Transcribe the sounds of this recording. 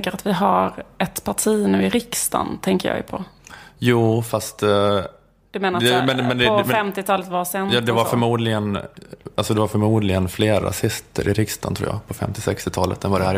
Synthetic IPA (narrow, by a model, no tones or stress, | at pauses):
kəɾat̪vɪɦaɾɛt̪pʰaʈʰiːnʉ̟ːɪɾɪkst̪a̰nt̪ʰɛŋkəɾjɑ̰ːɡj̰pʰɔ̰juːfast̪ | d̪̥ɵmeːnaɾɛmɛnmɛnd̪ɔfɛmt̪ɪt̪ʰɑːlət̪vasɛnjɑːd̪ɛvaɾfœɾmuːd̪lɪɡənalsɔd̪ɛvaɾfœɾmuːd̪lɪɡənfleːɾa̰sɪst̪ʰə̰ɾʔɪɾɪkst̪a̰nt̪ʰɾṵːjɑ̰ːpʰɔfɛ̰mt̪ɪsɛkst̪ɪt̪ʰɑːlət̪̚d̪ɛnvaɖɛhæː